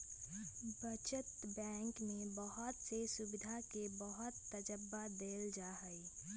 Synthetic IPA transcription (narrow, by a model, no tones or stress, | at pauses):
bət͡ʃət̪bɛ̃ːŋkmebəɦʊt̪sesʊbɪd̪ʱakebəɦʊt̪ːəd͡ʒəbːad̪eːld͡ʒaːɦəi